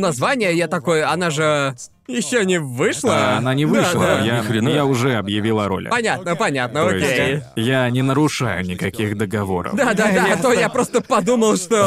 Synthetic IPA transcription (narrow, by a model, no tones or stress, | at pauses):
nɐzvanʲɪjəjat̪ɐko̞jɐnaʐɨ | jɪɕːonʲɪvɨʂlˠəɐnanʲɪvɨʂlˠəjajaʊʐɛɐbjɪvʲilˠəɾo̞̰l̰ʲpɐnʲat̪̚nəpɐnʲat̪̚nəokʲejanʲɪnəɾʊʂajʊ̰nʲɪkɐkʲixd̪əɡɐvo̞̰ɾə̰fd̪ad̪ad̪at̪ojjapɾo̞st̪əpɐd̪uməlˠʂt̪o̞